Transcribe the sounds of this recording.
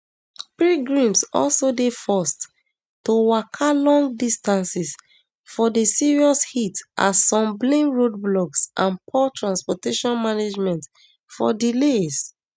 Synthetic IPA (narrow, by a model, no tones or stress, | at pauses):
pɹiɡɹĩmsɔ̰lsodefɔst | towakʰalɔ̃ŋɡ̚distãnsis | fɔdesiɹiɔshitʔa̰sɔ̃mblẽnɹod̚blɔksʔãnpʰɔtɹãnspɔteʃɔ̃nmaned͡ʒmɛ̃nt | fɔ̰diles